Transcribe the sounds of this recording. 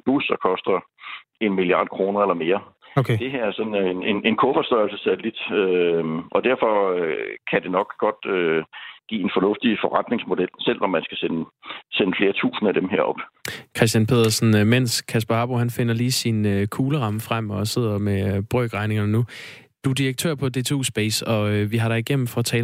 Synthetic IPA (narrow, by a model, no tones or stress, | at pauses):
b̥usɒkʰɒ̽sd̥ɐ | e̝nmiliɑ̈ːd̥̚kʰʁo̝ːnɐelɐme̝ːɐ | okʰd̥e̝ɦæɐ̰æɐsɒ̽nene̝ne̝nkʰɔfɒ̽sd̥ɒɪl̩səsælid̥øʔɒ̽d̥æɐ̰fɒ̽kʰæd̥e̝nɒ̽ɡ̥ɡ̥ɒ̽d̥øɡ̥ḭːe̝nfɒnɔ̽fd̥ifɒʁad̥ne̝ŋsmo̝d̥el̰sel̰ɒ̽mːænsɡ̥æsenəsenəfle̝ːɐt͡sʰṵːsn̩æd̥emɦeɐ̰ɒ̽b̥kʰʁɛs̬d̥jænpʰe̝ð̰ˠɐsn̩men̰skʰæsb̥ɐɑ̈b̥ohænfe̝nɐliːsinøkʰuːləʁɑ̈məfʁam̰ɒ̽se̝ð̞̰ˠɐmeb̥ʁœːɡ̥ʁɑ̈ɪne̝ŋɐnnu | d̥uɐd̥iʁɐɡ̥̚t͡sʰø̰ɐ̰pʰɒ̽d̥e̝t͡sʰo̝̰sb̥ḛːsɒ̽ʋiɦɑ̈ɾɑ̈iɡ̥em̰m̩fɒ̽t͡sʰɛː